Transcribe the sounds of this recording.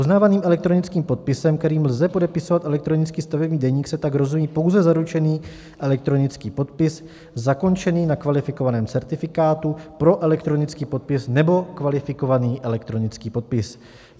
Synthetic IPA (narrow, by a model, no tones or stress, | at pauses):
uznaːvaniːmʔɛlɛk̚t̪ɾo̞nɪt͡skiːmpo̞t̪̚pɪsɛmk̚t̪ɛɾiːmlzɛpo̞dɛpɪso̞vat̪ɛlɛk̚t̪ɾo̞nɪt͡skiːst̪avɛbɲiːdɛɲiːksɛt̪aɡɾo̞zumiːpo̞wzɛzaɾut͡ʃɛniː | ʔɛlɛk̚t̪ɾo̞nɪt͡skiːpo̞t̪pɪs | zako̞nt͡ʃɛniːnakvalɪfɪko̞vanɛːmt͡sɛɾt̪ɪfɪkaːt̪upɾo̞ʔɛlɛk̚t̪ɾo̞nɪt͡skiːpo̞t̪̚pɪsnɛbo̞kvalɪfɪko̞vaniːʔɛlɛk̚t̪ɾo̞nɪt͡skiːpo̞t̪̚pɪs